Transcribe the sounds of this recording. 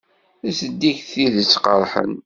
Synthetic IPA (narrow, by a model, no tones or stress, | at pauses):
æsəd̪ːiçθiðət͡sːqəɾˤħə̰n